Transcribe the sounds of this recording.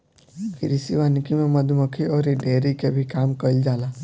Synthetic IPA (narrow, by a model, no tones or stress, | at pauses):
pʰɪɾɪsiʋaːnkimẽmɐd̪ʱməkʰiɔːɾeɖeːɾikebʱikaːmkəld͡ʒaːlaː